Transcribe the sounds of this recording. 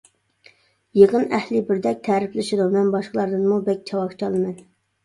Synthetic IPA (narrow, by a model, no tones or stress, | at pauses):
jeqənæhlɪbɪɾd̪ɛk̚ʲt̪ʰɛːɾɪplɪʃid̪umɛnbɑʃqəlˠɑɾd̪ɨnmubɛk̚ʲt͡ʃʰɑwɑχt͡ʃʰɑlˠɨmɛn